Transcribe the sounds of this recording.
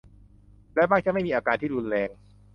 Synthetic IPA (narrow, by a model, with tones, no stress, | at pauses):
lɛ˦˥wbaː˥˩kt͡ɕa˧˥ma˥˩jmiː˧ʔaː˧kaː˧nt̪ʰiː˥˩ɾu˧nlɛː˧ŋ